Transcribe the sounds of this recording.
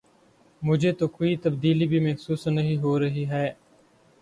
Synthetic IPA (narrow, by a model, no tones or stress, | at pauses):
mʊd͡ʒʱeːt̪oːkoːiːt̪əbd̪iːliːbʱiːmɐxsuːsnəɦĩɦoːɾəɦiːɦɛː